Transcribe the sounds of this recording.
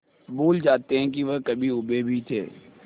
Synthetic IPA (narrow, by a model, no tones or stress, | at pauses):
buːld͡ʒaːt̪eɦɛ̃k̬iʋəɦkəbʱiʊbebʱit̪ʰḛː